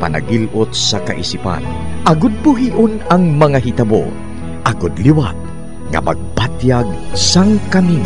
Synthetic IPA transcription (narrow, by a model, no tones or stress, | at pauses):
pa̰na̰ɡilʔʊt̪̚sɐkaʔisipa̰n | ʔɐɡʊd̪̚bʊɦiːʔʊnɐŋmɐŋaɦit̪ɐbo̰ | ʔɐɡʊd̪liwa̰t̪̚ | ŋɐ̰mɐ̰ɡ̚pad̪jaɡ̚saŋkamina